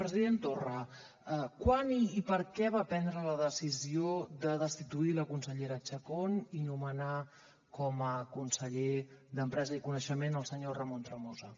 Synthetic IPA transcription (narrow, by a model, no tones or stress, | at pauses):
pɾəziðent̪orə | əkwaniːpəɾkɛβapɛnd̪ɾələðəsiziod̪əðəst̪it̪uiləkunsəʎeɾət͡ʃəkoninuməna | kɔməkunsəʎed̪əmpɾɛzəikunəʃəmenəlˠsəɲorəmont̪ɾəmozə